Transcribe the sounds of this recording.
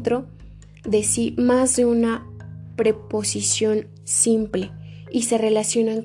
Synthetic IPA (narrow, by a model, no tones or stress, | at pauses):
t̪ɾo | ðe̞simazðeunapɾe̞po̞sisjo̞n | simple̞ | ise̞re̞lasjo̞naŋ